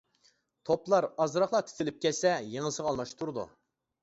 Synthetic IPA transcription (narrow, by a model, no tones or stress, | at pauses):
t̪ʰoplˠɑɾɑzɾɑχlˠɑt̪ʰy̥t̪ʰɪlɪp̚kʲɛsɛjeŋəsəʁɑlˠmɑʃt̪ʰuɾɨd̪ṵ